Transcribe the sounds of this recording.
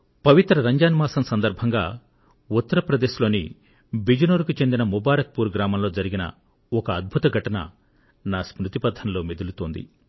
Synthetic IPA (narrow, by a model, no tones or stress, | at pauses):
pɐʋit̪ɾɐɾɐɲd͡ʒaːnmaːsɐmsɐnd̪ɐɾbʱɐŋɡaː | ut̪ːɐɾɐpɾɐd̪eːʃlo̞ːnḭ | bid͡ʒɐnoːɾukut͡ʃe̞nd̪inɐmubaːɾɐk̚puːɾɡɾaːmɐmlo̞ːd͡ʒɐɾiɡinɐ̰ | ɔkɐːd̪̚bʱut̪ɐɡʱɐʈɐnɐ̰ | naːsmɾut̪ipɐd̪ʱːɐnlo̞ːmed̪ulut̪oːnd̪ḭ